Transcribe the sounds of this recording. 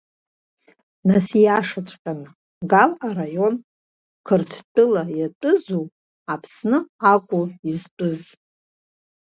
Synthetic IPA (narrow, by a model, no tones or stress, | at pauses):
nasijaʂat͡ʃʷʰʼkʲʼana | ɡalarajo̞n | kʰɨrtʰtʼɨlajatʷʼɨzu | apʰsnɨakʷʼuiztʼɨz